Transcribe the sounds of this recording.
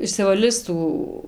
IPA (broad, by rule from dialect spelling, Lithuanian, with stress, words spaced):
ɪʃʲsʲɪʋɐˈlʲɪs ˈtuː